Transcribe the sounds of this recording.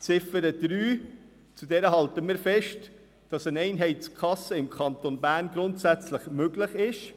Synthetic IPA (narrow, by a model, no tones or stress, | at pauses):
t͡sɪfəɾəd̥ɾyː | t͡sudɛɾəɦɑltəmɪːɾfɛʃt | d̥ɑsənɛɪnɦɛɪtskʰχɑsəɪmkʰɑntonbæːɾnɡɾʊntsæt͡slɪχmøɡlɪχɪʃ